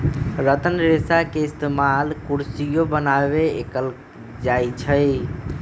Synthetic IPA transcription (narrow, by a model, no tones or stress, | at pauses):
ɾət̪ənɾesakeist̪emalkuɾsijobənabeekəl | d͡ʒajt͡ʃʰəj